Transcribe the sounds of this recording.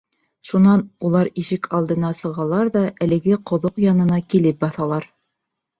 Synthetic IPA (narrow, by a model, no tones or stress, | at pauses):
ʃunɑnulˠɑɾiʃɘkʰɑlˠd̪ɤ̆nɑsɤ̆ʁɑlˠɑɾðɑʔælɘ̆ɡɘqŏðoqjɑnɤ̆nɑkilɘp̚bɑθɑlˠɑɾ